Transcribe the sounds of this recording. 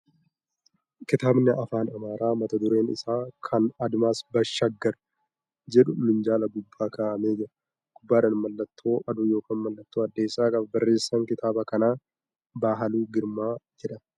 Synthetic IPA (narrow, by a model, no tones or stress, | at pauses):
kɪt̪aːbnɪʔɐfaːnɐmaːɾaːmɐt̪ɐd̪ʊɾeːnɪ̰saːkʰɐnɐd̪maːsbɐʃːɐɡːɐɾ | d͡ʒɛᶑʊmɪnd͡ʒaːlɐɡʊbːaːkaːʔɐme̞ːd͡ʒɪɾɐ | ɡ̥ʊbːaːᶑɐnmɐlːɐt̪ʰːo̞ːʔɐd̪ʊːjo̞ːkʰaːnmɐlːɐt̪ːoːɐd̪ːe̞ːsːaːkʼɐbɐbɐrːe̞ːsːɐŋkɪt̪ʰaːbɐkɐnaː | baːɦɐluːɡɪɾmaːd͡ʒɛᶑɐn